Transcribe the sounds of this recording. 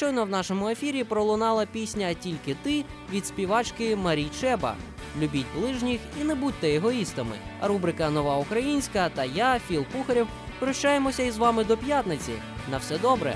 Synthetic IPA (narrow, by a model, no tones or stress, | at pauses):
ʃt͡ʃɔjnɔwn̪ɑʃɔmʊe̞fʲiɾʲipɾɔlˠʊnɑlˠɐpʲisʲnʲɐtʲilʲkɪt̪ɪ | ʋʲid̪sʲpʲiʋɑt͡ʃkɪmɐɾʲijt͡ʃɛbɐ̰ | lʲʊbʲitʲblˠɪʒnʲixinɛbut̚ʲt̪ɛeɦɔist̪ɐmɪ̰ɐɾubɾɪkɐnɔʋɑʊkɾɐjinʲsʲkɐt̪ɐjafʲilˠpuxɐɾʲiw | pɾɔʃt͡ʃajemɔsʲɐizʋɑmɪd̪ɔpjat̪nɪt͡sʲḭ | nɐwsɛd̪ɔbɾɛ̰